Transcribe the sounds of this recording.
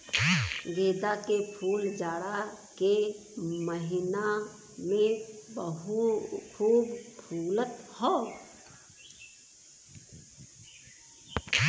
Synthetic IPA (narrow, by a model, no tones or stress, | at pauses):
ɡeːd̪akepʰuːld͡ʒaːɽake | məɦɪna | mẽbəɦukʰuːbpʰuːlət̪hoː